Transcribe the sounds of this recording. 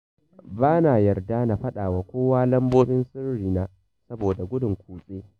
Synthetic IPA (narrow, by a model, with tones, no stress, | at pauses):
baː˦naː˨jɐ˨rdaː˦na˨ɸɐ˦ɗaː˨waː˨kʷoː˦waː˦lɐ˦mboː˦bɪ˦nsɪ˦rɾiː˨naː˦ | sɐ˦boː˨da˨ɡʷʊ˦dʊ˨ŋkʷuː˨sʼeː˦